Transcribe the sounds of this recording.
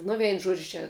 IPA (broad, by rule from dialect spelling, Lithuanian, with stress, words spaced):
ˈnʊ ˈʋʲɛɪn ˈʒuɔd͡ʒʲʊ ˈt͡ʃʲɛ